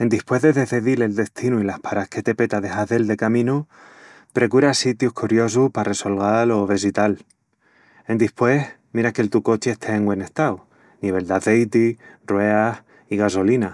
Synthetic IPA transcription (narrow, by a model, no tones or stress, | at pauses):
e̞nd̪ihpwe̞ɦðe̞ðe̞θe̞ðile̞ld̪e̞st̪inuilahpaɾahke̞t̪e̞pe̞t̪aðe̞xaðe̞ld̪e̞kamĩnu | pɾekuɾasit̪juhkuɾjo̞s̬uhpare̞so̞lɣalo̞βesit̪al | e̞nd̪ihpwe̞hmiɾakelt̪uko̞t͡ʃeehst̪ʰeːŋɡwe̞nest̪aw | niβe̞ld̪aθe̞jt̪irrwe̞ah | iɣaso̞lina